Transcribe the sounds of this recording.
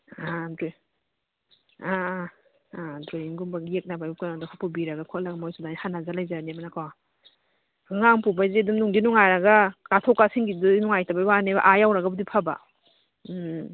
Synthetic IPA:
adɾo | a | dɾojiŋɡumbaɡiek̚nabajukanadakʰupubiɾaɡakʰɔlaɡamojsudahanazalajzanimanakʰawa | ɡɯŋaŋpubajzedumnuŋdinuŋajɾaɡakatʰɔkːasiŋɡidnuŋajtabajwaneba̰ʔajawɾaɡabudipʰaba̰

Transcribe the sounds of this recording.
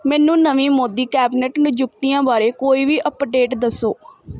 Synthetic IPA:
mɛ̃ːnũːnəʋĩːmoːd̪iːkɛːbinɛʈnʊd͡ʒʊkt̪iːjãːbaːɾeːkoːiːʋiːʔəpɖeːʈd̪əsːoː

